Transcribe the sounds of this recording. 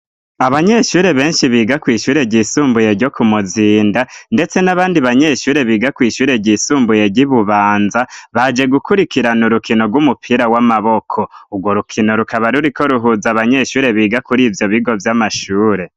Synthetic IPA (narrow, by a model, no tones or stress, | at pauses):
aβaɲe̞ʃuːɾe̞βe̞ːnʃiβiːɡakwiːʃuːɾe̞ɟiːsuːmbuje̞ɾɟo̞kʰumuziːndande̞t͡se̞naβaːndiβaɲe̞ːʃuːɾe̞βiːɡakwiːʃuːɾe̞ɟiːsuːmbuje̞ɾɟiβuβaːnzaβad͡ʒe̞ɡukʰuɾikiɾanuɾukino̞ɡwumupʰiɾawamaβo̞kʰo̞uɡwo̞ɾukʰino̞ɾukʰaβaɾuɾiko̞ɾuɦuzaβaɲe̞ʃuːɾe̞βiːɡakuɾiːvjo̞βiɡo̞vjamaʃuːɾe̞